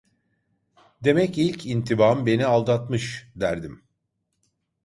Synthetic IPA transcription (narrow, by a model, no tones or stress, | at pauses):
d̪e̞mɛcilʲcʰint̪ʰibambe̞nialˠd̪at̪mɯʃd̪æɾd̪im